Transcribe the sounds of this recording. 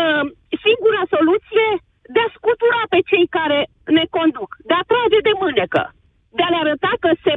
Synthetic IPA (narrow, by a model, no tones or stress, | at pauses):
siŋɡuɾəso̞lut̪sije̞ | d̪easkut̪uɾape̞t͡ʃe̞jkaɾe̞ | ne̞ko̞nd̪ukd̪eat̪ɾad͡ʒe̞d̪e̞mɨne̞kə̰ | d̪ealeaɾət̪akəse̞